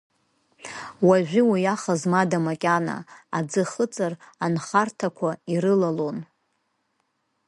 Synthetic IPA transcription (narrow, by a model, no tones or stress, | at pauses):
waʒᶣʷiwijaχazmadamakʲʼana̰ad͡zɨχət͡sʼaranχartʰakʷʰaiɾɨlalon